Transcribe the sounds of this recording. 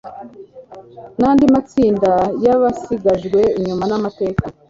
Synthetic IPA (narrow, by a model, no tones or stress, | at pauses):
naːndimat͡siːndajaβasiɡaʒɡwe̞iɲumanamate̞ːka